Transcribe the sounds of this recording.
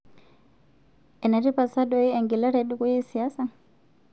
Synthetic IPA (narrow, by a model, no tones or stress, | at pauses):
ɛnɛɾipasaɗɔiɛŋɡilaɾɛɗikuisiasa